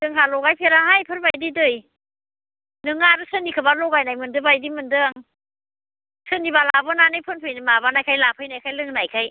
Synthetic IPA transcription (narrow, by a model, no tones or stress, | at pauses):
dɯŋɦalɔɡajpʰeɾaɦajpʰɯɾbajdidɯj | nɯŋaɾɯsɯnːikʰɯbalɔɡajnajmɯndɯbajdimɯndɯaŋ | sɯnibalabɯnanɯjpʰɯnpʰɯjnɯmabanajkʰajlapʰɯjnajkʰajlɯŋnajkʰaj